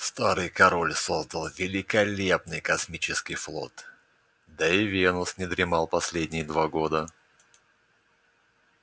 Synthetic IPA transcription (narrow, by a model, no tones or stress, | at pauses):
st̪aɾɨjkɐɾo̞lʲsozd̪əlˠvʲɪlʲɪkɐlʲepnɨjkɐsmʲit͡ɕɪskʲɪjflˠo̞̰t̪ | d̪ɐɪvʲenʊsnʲɪd̪ɾʲɪmɑlˠpɐsʲlʲedʲnʲɪjəd̪vaɡo̞d̪ə